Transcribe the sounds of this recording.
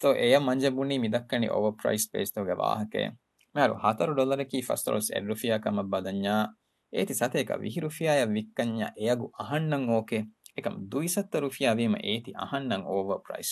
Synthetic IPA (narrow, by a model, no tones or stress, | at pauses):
t̪oʔejɐmːɐɲd͡ʒɐbunːiːmid̪ɐkːɐnḭʔo̰ʋɐpɾɐ̰jspḛːst̪oɦuɡɛʋa̰ːɦɐkḛː | miɐɾṵhɐt̪ɐɾuɖolɐɾekiːfɐ̰st̪ɾo̰ːlsḛɖɾufijaːkɐmɐbːɐd̪ɐɲːaː | ḛːt̪isɐt̪eːkɐ̰ʋḭɦiɾufijaːjɐʋːikːɐɲːa̰ʔejɐɡuʔɐɦɐnːɐŋoːkeekɐmd̪uisɐt̪ːɐɾufijaːʋiːmɐ̰ʔeːt̪iʔɐ̰hɐnːɐŋoːʋɐpɾɐ̰js